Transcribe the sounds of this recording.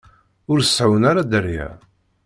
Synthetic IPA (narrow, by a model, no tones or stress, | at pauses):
ʊɾsːʕwənaɾad̪əɾjæ̰